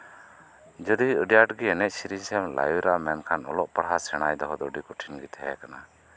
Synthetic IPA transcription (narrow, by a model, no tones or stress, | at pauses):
d͡ʒəd̪iəɖijaʈɡiɛnɛʔ̚siɾisɛmla̰juɾamɛnkʰanɔ̰lɔʔpəɽɦasɛɽ̃ajd̪ɔɦɔd̪ɔəɖikuʈʰinɡit̪ʰɛɛ̰kana